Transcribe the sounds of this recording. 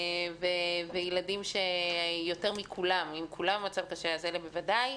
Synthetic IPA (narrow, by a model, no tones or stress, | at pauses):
vevejeladimʃejo̞teʁmikʰulamimkʰulammat͡savkaʃeazelebevadaj